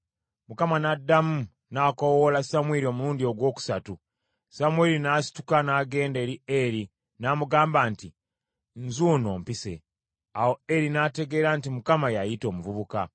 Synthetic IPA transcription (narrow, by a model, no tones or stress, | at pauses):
mukamanadːamu | naːkowolasamweɾio̞muɾuːndio̞ɡwo̞ːku̥satu | samweɾinaːsi̥tu̥kanaːɡe̞ːnde̞ːɾieɾi | naːmuɡaːmbaːnti | nzuːno̞ːmpise̞̰ | awo̞eɾinate̞ɡe̞ːɾantimukamajajito̞ːmuvuβuka